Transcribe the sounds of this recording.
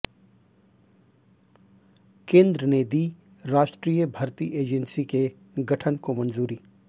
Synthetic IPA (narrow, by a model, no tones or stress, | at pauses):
kẽːnd̪ɾəned̪iː | ɾaːʃʈɾiːjəbʱɐɾt̪iʔeːd͡ʒənsike | ɡɐʈʰənkomɐnzuːɾi